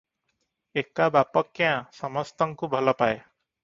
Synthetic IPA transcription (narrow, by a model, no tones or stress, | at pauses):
ekabapɔkːɛjãsɔmɔst̪ɔŋkubʱɔlɔpaj